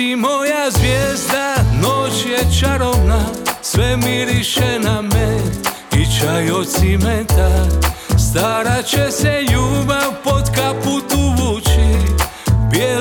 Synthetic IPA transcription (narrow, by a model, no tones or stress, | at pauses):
imojazʋjɛzd̪anot͡ʃjɛt͡ʃaɾoʋnasʋɛmiɾiʃɛnamɛ | it͡ʃajot̪simɛt̪ast̪aɾat͡ʃɛsɛjuːbapot̪kaput̪uʋut͡ʃi | bjɛ